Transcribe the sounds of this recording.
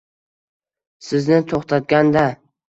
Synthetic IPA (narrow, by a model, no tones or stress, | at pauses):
sɪznɪt̪ʰoχt̪ʰat̪̚ɡʲand̪a